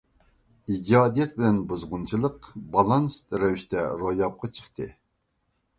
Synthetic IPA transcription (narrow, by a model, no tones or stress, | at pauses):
id͡ʒɑːd̪ijɛt̪̚bɪlɛnbuzʁunt͡ʃʰilˠəqbɑlˠɑnst̪ɾɛwiʃt̪ʰɛɾojɑp̚qʰɑt͡ʃʰə̥χt̪ʰɨ̰